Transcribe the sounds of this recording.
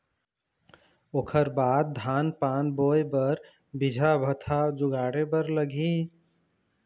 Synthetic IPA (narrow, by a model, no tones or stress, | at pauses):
oːkʰəɾbaːd̪̚ːʱanpanbojbəɾ | bid͡ʒʱabʱət̪ʰad͡ʒʊɡaɽebəɾləɡʱi